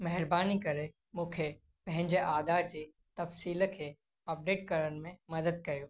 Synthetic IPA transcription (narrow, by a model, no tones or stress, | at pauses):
mɐɦɪɾbaːnikɐɾe | mũːkʰe | pɐ̃ɦɪ̃ɲd͡ʑeʔaːd̪aːɾd͡ʑiː | t̪ɐfsiːlkʰe | ɐp̚ɖeːʈ̚kɐɾən̆mẽmɐd̪əd̪̚kɐɾjoː